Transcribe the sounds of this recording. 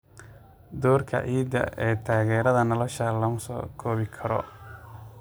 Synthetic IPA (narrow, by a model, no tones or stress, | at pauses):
d̪ɔːrkʰɐ̰ʔiːd̪ɐ̰ʔɛːt̪ʰaːɣɛːɾɐðɐnɔlɔʃɐlɐmsɔ̰ːkʰɔːβɪkʰɐɾɔ̰